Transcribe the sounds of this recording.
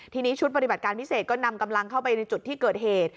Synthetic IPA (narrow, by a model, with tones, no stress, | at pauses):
t̪ʰiː˧niː˦˥t͡ɕʰu˦˥t̚ba˧t̪i˨˩ba˨˩t̪̚kaː˧npʰi˦˥seː˨˩t̪̚kɔː˥˩na˧mka˧mla˧ŋkʰa˥˩wpa˧jna˧jt͡ɕu˨˩t̪ʰːiː˥˩kɤː˨˩t̪̚ɦeː˨˩t̪̚